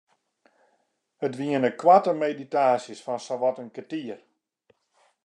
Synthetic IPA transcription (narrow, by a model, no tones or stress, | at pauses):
ətʋiənəkwatəmeditaːsjəsfɔnsaʋɔtənkətiər